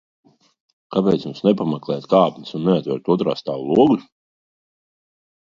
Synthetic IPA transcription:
kapɛːt̪mumsnɛpamɛklˠɛjt̪kaːpni̥sunːeat̪vɛ̰ɾt̪uɔt̪ɾa̰ːst̪aːvlˠuɔɡus

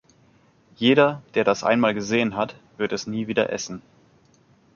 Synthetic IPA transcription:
jeːɾɐd̥eːɐɾasʔa̰ɪnmaːlɡəzeːənɦatv̥ɪɐtɛsniːviːdɐ̰ʔɛ̰sn̩

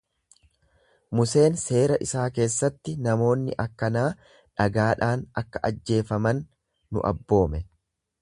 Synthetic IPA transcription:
mʊse̞ːnse̞ːɾɐʔɪsaːke̞ːsːɐt̪ːɪnɐmo̞ːnːɪ̰ʔɐkːɐnaː | ᶑɐɡaːᶑaːnɐkːɐ̥ʔɐd͡ʒːe̞ːfɐmɐnː | ʊ̰ʔɐ̰bːo̞ːmɛ

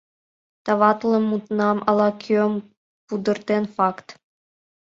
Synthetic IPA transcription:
t̪ɑʋɑt̪lˠɤ̆mːut̪nɑmɑ̰lˠɑkʲʰøm | pud̪ə̆rt̪enfɑkt̪

